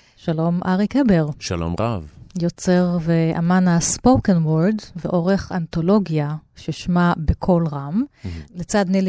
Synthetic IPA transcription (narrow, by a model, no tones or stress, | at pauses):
ʃalo̞mʔaʁikebeʁʃa̰lo̰mʁa̰vjo̞t͡seʁveʔa̰manaspowkenwoɾd̪veʔoʁeχant̪o̞lo̞ɡjaʃeʃmabekʰo̞lʁamlet͡sad̪nil